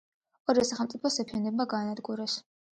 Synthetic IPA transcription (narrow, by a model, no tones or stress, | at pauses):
ɔɾiɛsaχɛlˠmt̪sʼipʰɔsɛpʰiɛnɛbaɡaːnad̪ɡuɾɛs